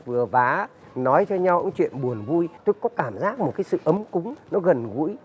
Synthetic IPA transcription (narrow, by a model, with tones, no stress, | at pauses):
vɨ˨˩əvaː˨˦ | nɔ˨˦jt͡ɕɔ˧ɲa˧wʔə̰˧˥˦ŋ͡mt͡ɕwḭ˧˨ənɓu˨˩ənvu˧jt̪o˧jkɔ˨˦kaː˧˩mzaː˦˥k̚mo˨˩t̚kaː˨˦jsɨ̰˧˨ʔə˨˦mkʊ˨˦ŋ͡mnɔ˨˦ɣə˨˩nɣṵ˧˥j